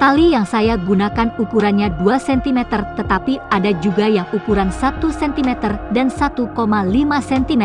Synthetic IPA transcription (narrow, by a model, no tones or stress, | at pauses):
t̪alijaŋsajaɡunakanukuɾanɲaduasɛnt̪imɛt̪ərt̪ət̪apiadad͡ʒuɡajaŋukuɾansat̪usɛnt̪imɛt̪ərdansat̪ukomalimasɛnt̪imɛ